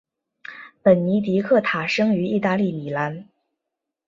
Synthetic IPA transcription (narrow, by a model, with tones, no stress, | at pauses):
pə˨˩nni˧˥t̪̬i˧˥kʰɤ˥˩t̪ʰa˨˩ʂɤ˥ŋy˧˥i˥˧t̪a˥˧li˥˩mi˨˩la˧˥n